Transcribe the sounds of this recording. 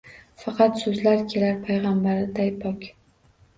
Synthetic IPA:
fɑqɑt̪sɵzlaɾkʲʰe̞laɾpʰajʁɑmbaɾɪd̪ajpʰɒkʲ

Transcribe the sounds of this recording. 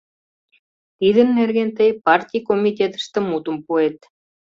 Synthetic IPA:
t̪id̪ɘ̆nːerɡʲent̪ejpart̪ʲijkomʲit̪ʲet̪ə̥̆st̪ə̆mut̪ŭmpuet̪

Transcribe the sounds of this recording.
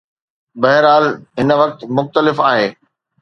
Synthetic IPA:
bɐɦɪɾaːlɦɪnə̆ʋɐk̚t̪mʊxt̪əlɪfaːɦeː

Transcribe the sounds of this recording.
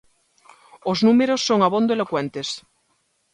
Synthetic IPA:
oznũmeɾosːoŋaβond̪oelokwent̪es

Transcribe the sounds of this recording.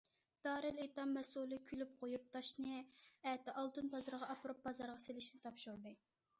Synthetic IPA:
d̪̥ɑːɾɪlet̪ɑmːɛsulˠɨkʲʰylyp̚qʰojup̚t̪ɑʃnɨɛt̪ɪʔɑlˠt̪unbɑzɨɾʁɑɑpʰɾup̚bɑzɑɾʁɑselɪʃnɪt̪ʰɑpʃuɾd̪ɨ

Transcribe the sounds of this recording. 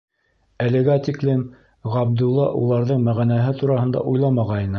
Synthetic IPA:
ælɘ̆ɡæt̪ʲiklɘm | ʁɑb̚d̪ulˠːɑ̰ʔulˠɑɾðɤɴmæʁænæɦɘt̪uɾɑhɤ̆nd̪ɑ̰ʔujlˠɑmɑʁɑjjnɤ

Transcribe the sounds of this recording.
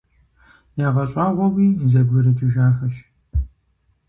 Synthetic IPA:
jaːʁɐɕʼaːʁʷɔwiːzɐbɨɾɨt͡ʃʼɪʒaːxɐʃ

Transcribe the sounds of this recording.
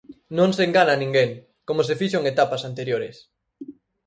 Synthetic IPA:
nõŋseŋɡananĩŋɡeŋ | komos̬efiʃoŋet̪apasant̪eɾjoɾes

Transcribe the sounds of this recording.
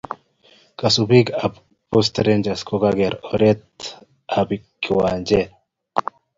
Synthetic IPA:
kasubiɡab | pos̬t̪ɾend͡ʒaskoɡaɡeɾoɾet̪ | abikːiwaːnd͡ʒe

